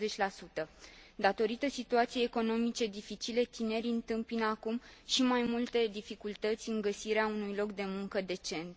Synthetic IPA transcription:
zet͡ʃʲlasut̪əd̪at̪o̞ɾit̪əsit̪uat̪sijeːko̞no̞mit͡ʃe̞d̪ifit͡ʃile̞t̪ine̞ɾʲɨnt̪ɨmpinakumʃimajmult̪e̞d̪ifikult̪ət̪sʲɨŋɡəsiɾeaunujlo̞kd̪e̞muŋkəd̪e̞t͡ʃe̞nt̪

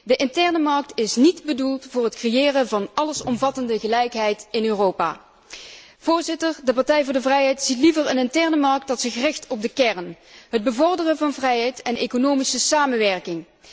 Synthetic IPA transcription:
dəʔɪntɛɹnəmɑɹk̚tɪsnidbədulˠtvʊːɹɦətkrejɪːrəvɑnʔɑləsɔmvɑtəndəɣəlɛjkɦɛjtɪnøːrowpa̰ː | v̥ʊːɹzɪtəɹdəpɑɹtɛjvʊːɹdəvrɛjɦɛjtsitlivəɹənɪntɛɹnəmɑɹk̚dɑtsɪxrɪxtɔb̚dəkɛɹnɦəd̚bəvɔɹdərənvɑnvrɛjɦɛjtɛnejkonowmisəsaːmənʋɛɹkɪŋ

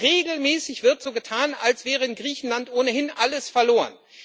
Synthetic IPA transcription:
ʁeːɡl̩mɛːsɪçv̥ɪɐtz̥oːɡətʰaːnalsv̥ɛːʁəɪnɡʁiːçn̩lantʔoːnəhɪnʔaləsfɛɐloːʁə̰n

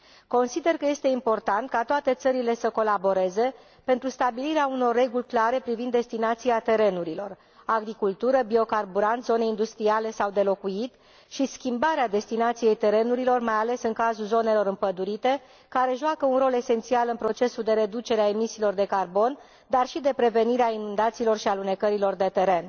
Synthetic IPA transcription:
ko̞nsid̪e̞rkəje̞st̪e̞impo̞rt̪ant̪̚kat̪oat̪e̞t̪səɾile̞səko̞labo̞ɾe̞ze̞ | pe̞nt̪ɾust̪abiliɾeauno̞rːe̞ɡulʲklaɾe̞pɾivind̪ːe̞st̪inat̪siat̪e̞ɾe̞nuɾilo̞r | aɡɾikult̪uɾəbio̞karbuɾant̪zo̞neind̪ust̪ɾiale̞sawd̪e̞lo̞kujit̪ | ʃiskʲimbaɾead̪e̞st̪inat̪sije̞jt̪e̞ɾe̞nuɾilo̞rmajale̞sɨŋkazulzo̞ne̞lo̞ɾɨmpəd̪uɾit̪e̞ | kaɾe̞ʒuakəunɾo̞le̞se̞nt̪sialɨnpɾo̞t͡ʃe̞suld̪e̞ɾe̞d̪ut͡ʃe̞ɾeaemisiːlo̞rd̪e̞karbo̞n | d̪arʃid̪e̞pɾe̞ve̞niɾeainund̪at̪siːlo̞rʃialune̞kəɾilo̞rd̪e̞t̪e̞ɾe̞n

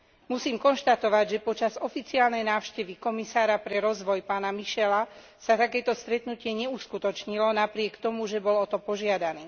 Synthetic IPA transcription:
musiːmkɔnʃt̪at̪ɔʋaɟʒɛpɔt͡ʃazɔfit͡siaːlnɛjnaːʊʃcɛʋikɔmisaːɾapɾɛɾɔzʋɔjpaːnamiʃɛla | sat̪akɛːt̪ɔst̪ɾɛt̪nucɪɛɲɛuskut̪ɔt͡ʃɲilɔnapɾɪɛkt̪ɔmuʒɛbɔlɔt̪ɔpɔʒɪad̪aniː

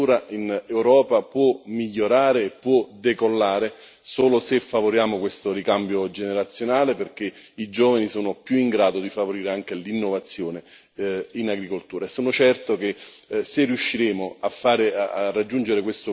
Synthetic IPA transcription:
uːɾaʔinewɾɔːpapwɔmiʎːoɾaːɾeːpːwɔd̪ekolːaːɾe | soːlosefːavoɾjaːmokwest̪oɾikambjod͡ʒeneɾat̪sːjonaːleperk̟eid͡ʒoːvanisoːnoʊpjuiŋɡɾaːd̪od̪ifavoɾiːɾeaŋk̟elinːovat̪sːjoːne | inaɡɾikolt̪uːɾaesoːnot͡ʃɛrt̪ok̟e | serːijuʃːiɾeːmoafːaːɾeaarːad͡ʒːund͡ʒeɾekwest̪o

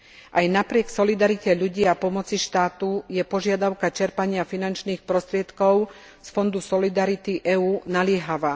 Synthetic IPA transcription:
ʔajnapɾɪɛksɔlid̪aɾicɛʎuɟiːapɔmɔt͡siʃt̪aːt̪ujɛpɔʒɪad̪aʊkat͡ʃɛɾpaɲɪafinant͡ʃniːxpɾɔst̪ɾɪɛt̪kɔʊ | sfɔnd̪usɔlid̪aɾit̪iʔɛuːnalɪɛɦaʋaː

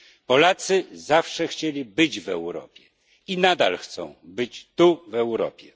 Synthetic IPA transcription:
pɔlat̪sɘzafʂɛxt͡ɕelʲibɘd͡ʑvɛ̰wɾɔ̰pʲjɛ | inad̪a̰lxt̪sɔ̰̃w̃bɘt͡ɕt̪uvɛwɾɔ̰pʲjɛ

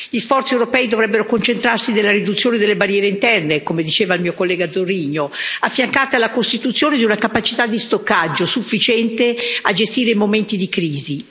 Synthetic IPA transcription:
ʎisfɔrt̪siewɾopɛːid̪ovɾɛbːeɾokont͡ʃent̪ɾarsinelːaɾid̪ut̪sːjoːned̪elːebarjɛːɾeint̪ɛrnekomed̪it͡ʃeːvailmiːokolːɛːɡad̪zːorːiːɲoafːjaŋkaːt̪ialːakost̪it̪ut̪sːjoːned̪iunakapat͡ʃi̥t̪ad̪ːist̪okːad͡ʒːosufːit͡ʃɛnt̪ead͡ʒest̪iːɾeimoment̪id̪ikɾiːzi

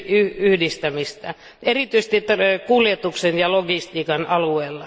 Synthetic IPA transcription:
yyhdist̪æmist̪æ̰ | erit̪yise̥t̪it̪kuljet̪uksenjɑloɡist̪iːkɑnɑlueːlːɑ

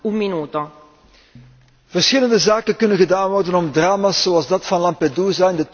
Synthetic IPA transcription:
umminuːt̪o | v̥ərsxɪləndəzaːkənkɵnənɣədaːnʋɔrdənɔmdraːmasːoɑlˠzdɑtfɑnlɑmpeduːzaɪndət

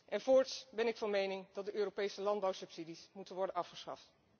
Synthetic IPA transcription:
ʔɛnvʊːɹtsbɛnɪkfɑnmejnɪŋdɑtdəʔøːropejsəlɑndbɑwsɵpsidismutənʋɔɹdənɑfχəsχɑ̰ft

